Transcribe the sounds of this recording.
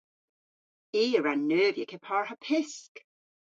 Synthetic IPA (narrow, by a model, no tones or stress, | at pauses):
iːəɹanːøːvjəkʰɛpʰɑɹhəpʰɪsk